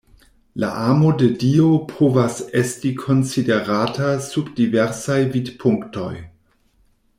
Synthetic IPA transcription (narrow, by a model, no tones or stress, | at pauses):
la̰ʔamo̞dedio̞pʰovasestikʰo̞nt͡side̞ɾatasubdiveɾsajvidpʰuŋkto̞̰j